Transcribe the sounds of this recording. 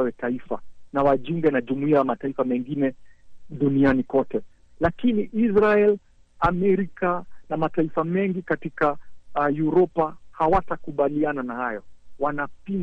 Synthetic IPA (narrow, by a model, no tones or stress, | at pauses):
wɛtaifa̰nawaʄuŋɡɛnaʄumuiajamataifamɛŋɡinɛɗunianikɔtɛ | lakiniʔizɾaɛl | amɛɾikanamataifamɛŋɡikatikajuɾɔpahawatakuɓaliananahajɔwanapin